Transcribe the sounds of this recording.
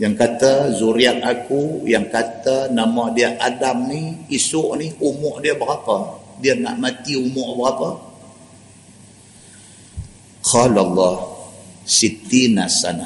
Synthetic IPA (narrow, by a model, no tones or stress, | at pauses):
jaŋkat̪azuɾiak̚akujaŋkat̪anamadiəʔadamniisʊʔniumʊʔdiəbəɾapadiəna̰ʔmat̪iumʊʔbəɣapa | qʰɑlalˤːɑhsit̪inasana